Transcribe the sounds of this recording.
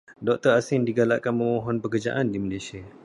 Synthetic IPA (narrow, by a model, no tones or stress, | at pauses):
dɔk̚t̪əɾasɪndiɡala̰ʔkanməmɔɦɔnpəkərd͡ʒa̰ʔandimalasia